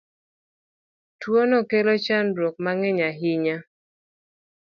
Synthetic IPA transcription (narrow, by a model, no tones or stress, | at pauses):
twonɔkelɔt͡ʃandwɔk̚maŋɛɲaɦɪɲa